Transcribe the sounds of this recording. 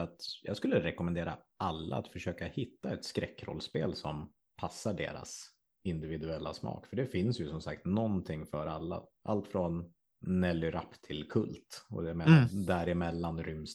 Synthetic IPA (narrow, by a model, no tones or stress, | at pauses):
at̪jɑːɡskɵlːəɾɛkɔmɛnd̪eːɾa̰ʔalːa̰at̪fœʂøːkahɪt̪ːaɛt̪skɾɛkːɾɔ̰lːspeːlsɔm | pʰasːaɖḛːɾa̰s | ɪnd̪ɪvɪd̪ɵɛlːa̰smɑ̰ːkfœɖɛfɪnsjɵsɔmsakt̪nɔnt̪ʰɪŋːfœɾalːa̰ʔalt̪fɾɔnː | ɛlːʏɾapːt̪ʰɪlkʰɵ̰lt̪ɔ̰ɛmːnd̪æɾɪmɛlːanɾʏms